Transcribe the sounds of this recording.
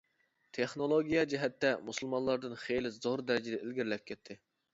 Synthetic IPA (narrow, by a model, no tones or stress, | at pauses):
t̪ʰeχnolˠoɡʲijɑd͡ʒɛɦɛt̪ːɛmusulˠmɑnlˠɑɾd̪ɨnχejlɪzoɾd̪æɾɪd͡ʒɪd̪ɛʔelɡʲɪɾlɛp̚ʲkʲʰɛt̪ʰːɪ